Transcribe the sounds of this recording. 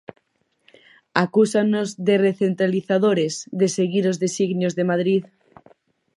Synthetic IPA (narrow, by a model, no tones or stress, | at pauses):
akusanozðereθent̪ɾaliθaðoɾezðeseɣiɾozðesiɣnjozðemaðɾið